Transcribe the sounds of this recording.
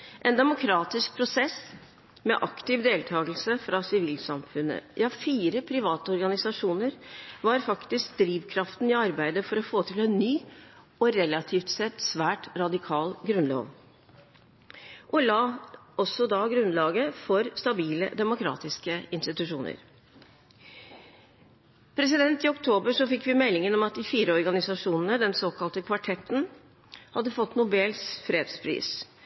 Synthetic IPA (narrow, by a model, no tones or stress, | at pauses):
ʔɛnd̪ɛmʊkʰɾɑːt̪ɪsk̚pʰɾʊsɛs | mɛ̰ʔɑkt̪ɪʋd̪eːlt̪ʰɑːɡəl̩səfɾɑsɪʋiːlsɑmfʉnə̰ʔɪɑfiːɾəpʰɾɪʋɑːt̪əɔɾɡɑnɪsɑʂuːnəɾʋɑɾfɑkt̪ɪsk̚d̪ɾiːʋkʰɾɑft̪n̩ɪɑɾbæɪd̪əfɔɾɔfoːt̪ʰɪlɛnnyː | ɔɾɛlɑt̪ʰiːft̪sɛt̪ːsʋæːʈɾɑd̪ɪkʰɑːlɡɾʉnlo̰ːʋ | ʔɔlɑː | ɔsːɔd̪ɑɡɾʉnlɑːɡəfɔɾst̪ɑbiːlə̰d̪ɛmʊkʰɾɑ̰ːt̪ɪskəɪnst̪ɪt̪ʉʂuːnə̰ɾ | pʰɾɛs̬ɪd̪ɛnt̪ɪɔkt̪ʰoːbəʂɔfɪkːʋɪmɛlːɪŋənɔmɑt̪̚d̪ɪfiːɾəɔɾɡɑnɪsɑʂuːnənəd̪ɛnsoːkɑlt̪əkʰʋɑʈʰɛt̪ːn̩ | hɑd̪ːəfɔt̪ːnʊbɛlsfɾeːd̪spʰɾḭːs